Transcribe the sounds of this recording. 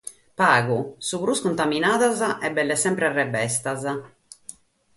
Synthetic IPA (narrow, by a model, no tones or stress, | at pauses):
paːɣusuβɾuskunt̪aminaːðazaʔɛbɛlːɛsɛmpɾɛarːɛbɛst̪aza